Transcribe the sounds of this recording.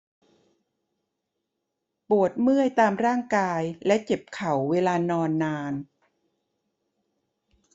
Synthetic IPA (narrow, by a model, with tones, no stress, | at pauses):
pu˨˩ət̪̚mɯ˥˩əjt̪aː˧mɾaː˥˩ŋkaː˧jlɛ˦˥ʔt͡ɕe˨˩p̚kʰa˨˩˦wːeː˧laː˧nɔː˧nːaː˧n